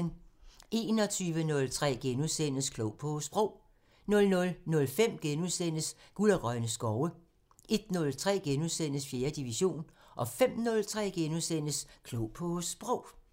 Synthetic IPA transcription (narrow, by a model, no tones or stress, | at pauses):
nʔe̝ːnɒ̽t͡sʰyːʋənɔ̽lt͡sʰʁɛ̰ːɡ̥enuðˠsen̰əskʰlɔʊ̰pʰɔsb̥ʁɔʊ̰ | nɔ̽lnɔ̽lnɔ̽lfem̰ɡ̥enuðˠsen̰əs | ɡ̥ulɐɡ̥ʁɶnəsɡ̥ɒʊə | e̝d̥nɔ̽lt͡sʰʁɛ̰ːɡ̥enuðˠsen̰əsfje̝ːɐd̥iʋiɕo̝̰ːnʔɒ̽fem̰nɔ̽lt͡sʰʁɛ̰ːɡ̥enuðˠsen̰əskʰlɔʊpʰɔsb̥ʁɔʊ̰